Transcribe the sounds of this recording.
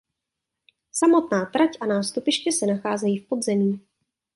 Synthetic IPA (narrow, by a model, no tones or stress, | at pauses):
samo̞t̪naːt̪ɾacʔanaːst̪upɪʃkɪsɛnaxaːzɛjiːfpo̞d̪zɛmiː